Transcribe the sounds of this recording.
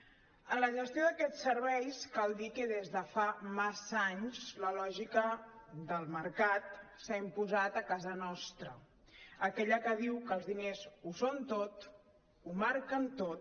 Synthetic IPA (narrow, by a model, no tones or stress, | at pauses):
ənləʒəst̪ioðəkɛt͡ssːəɾβɛjskalˠd̪ikəðezðəfamazaɲzləlɔʒikəd̪əlˠməɾkat̪̚saimpuzat̪əkazənɔst̪ɾə | əkɛʎəkəðiwkəlˠzðinezusont̪ot̪ | umaɾkənt̪ot̪